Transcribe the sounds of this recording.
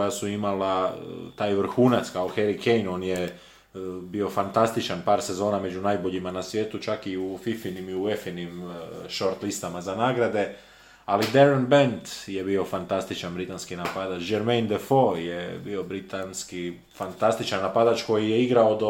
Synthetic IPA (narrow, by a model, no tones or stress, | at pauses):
ojasuimalat̪aːjʋr̩xuːnat̪skaoxeɾikejno̞ːnje | bio̞fant̪ast̪it͡ʃanpaːɾse̞zo̞ːname̞d͡ʒunajbo̞ʎimanasʋʲje̞ːt̪ut͡ʃakiufifinimiuefinimʃo̞ɾt̪list̪amazanaːɡɾad̪e̞ | alid̪eɾonbent̪je̞bio̞fant̪ast̪it͡ʃanbɾit̪anskinapad̪at͡ʃd͡ʒeɾmejnd̪efojebio̞bɾit̪anski | fant̪ast̪it͡ʃanːapad̪at͡ʃko̞jijeiɡɾaod̪o